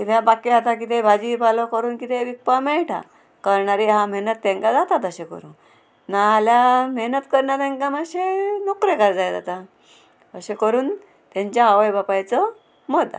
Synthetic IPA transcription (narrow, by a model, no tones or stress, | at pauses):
kit̪eabakiat̪ak̬it̪ebʱad͡ʑibalɔkəɾuːnkit̪eʋik̚pamɛɭʈʰa̰ | kəɾɳaɾiɦãmɛɦnət̪ːɛ̃ŋkad͡zat̪at̪əɕekə̰ɾṵːn | naːljamɛɦnət̪kəɾɳat̪ɛ̃ŋkamaɕenɔkɾekaɾd͡zajd͡za̰t̪a | əɕekəɾuːn | t̪ãɲt͡ɕaːʋəjbapajt͡sɔ | mɔd̪ːa̰